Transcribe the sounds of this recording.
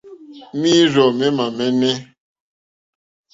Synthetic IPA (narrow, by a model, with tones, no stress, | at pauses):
mi˦ɾɔ˨mɛ˦ma˨mɛ˦nɛ˦